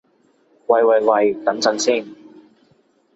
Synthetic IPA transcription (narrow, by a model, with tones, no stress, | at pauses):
wɐ˨˩jwɐ˨jwɐ˨jt̪ɐ˨˥nt͡sɐ˨˥nsiː˥˩n